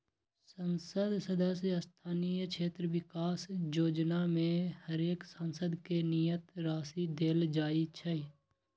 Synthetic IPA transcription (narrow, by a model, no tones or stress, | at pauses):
sənsəd̪səd̪əs̬jəst̪ʰaːnijəkʃʰeːt̪ɾəʋɪkaːsjoːd͡ʒnamẽhəɾeːksənsəd̪kenijət̪ɾaːsid̪eːld͡ʒaːit͡ʃʰəi